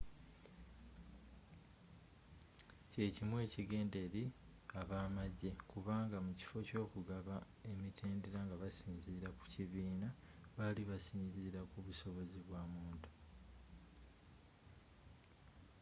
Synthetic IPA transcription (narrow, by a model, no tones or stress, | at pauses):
ce̞ːcimwe̞ːciɡe̞ːnde̞ɾi | aβaːmaɟe̞kuβaːŋɡamuci̥fo̞co̞ːkuɡaβa | e̞mitʰeːndeɾaŋɡaβasiːnziːɾaku̥ciβiːnaβaliβasiːɲziːɾakuβuso̞βo̞ziβwaːmuːntu̥